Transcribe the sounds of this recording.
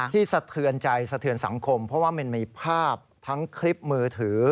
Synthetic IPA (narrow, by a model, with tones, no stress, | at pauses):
t̪ʰiː˥˩sa˧t̪ʰɯ˧ənt͡ɕa˧jsa˧t̪ʰɯ˧ənsa̰˩˦ŋkʰo˧mpʰɾɔ˦˥waː˥˩ma˧nmiː˧pʰaː˥˩p̚t̪ʰa˦˥ŋkʰli˦˥p̚mɯː˧t̪ʰɯː˩˦